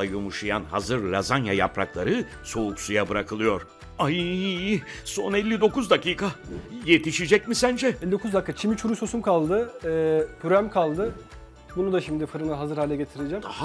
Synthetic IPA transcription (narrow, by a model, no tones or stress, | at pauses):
ajumuʃujanɦazɯɾːazanjaja̰pɾa̰klˠaɾɯ | so̞uksujabɯɾakʰɯlˠɯjo̞ɾ̥ | aji | so̞nɛlʲːid̪o̞kuzd̪akiːkʰaje̞t̪ʰiʃid͡ʒɛcmisænd͡ʒɛelʲːid̪okuzd̪akʰːat͡ʃʰimit͡ʃʰuɾuso̞sumkʰalˠd̪ɯ | pʰyɾæmkʰalˠd̪ɯ | bunud̪aʃimd̪ifɯɾɯnɯɦazɯɾhaːlʲɛɟet̪ʰiɾed͡ʒɛm